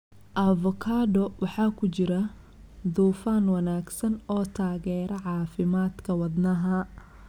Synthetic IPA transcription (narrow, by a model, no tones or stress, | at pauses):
ʔɐvɔkʰaːdɔwʔɑħɑːkʰʊt͡ʃɪɾɐ | d̪uːfaːnwɐnaːɡsɐnɔːt̪ʰaːɣɛːɾɐʕɑːfɪmaːd̪kʰɐwɐd̪nɐɦɐ